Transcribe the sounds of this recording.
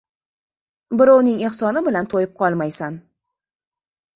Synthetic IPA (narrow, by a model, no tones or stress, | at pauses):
bɪɾɒwnɪŋeχsɒnɪbɪlant̪ʰojɪp̚qʰɒlˠmajsan